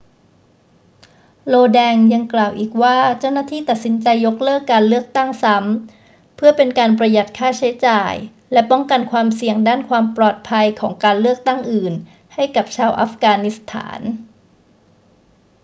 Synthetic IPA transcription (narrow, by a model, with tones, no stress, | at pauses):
loː˧dɛː˧ŋja˧ŋklaː˨˩wʔiː˨˩k̚waː˥˩t͡ɕa˥˩wnaː˥˩t̪ʰiː˥˩t̪a˨˩t̪̚si˩˦nt͡ɕa˧jːo˦˥k̚lɤː˥˩kːaː˧nlɯ˥˩ək̚t̪a˥˩ŋsa˦˥m | pʰɯ˥˩ɐpe˧nkaː˧npɾa˧ja˨˩t̪̚kʰaː˥˩t͡ɕʰa˨˦˥jt͡ɕaː˨˩j | lɛ˦˥pɔ˥˩ŋka˧nkʰwaː˧msi˨˧əŋdaː˥˩nkʰwaː˧mplɔː˨˩t̪̚pʰa˧jkʰɔː˩˦ŋkaː˧nlɯ˥˩ək̚t̪a˥˩ŋʔɯː˨˩n | ha˥˩jka˨˩p̚t͡ɕʰaː˧wʔa̰ː˦˥fkaː˧ni˦˥st̪ʰa̰ː˩˦n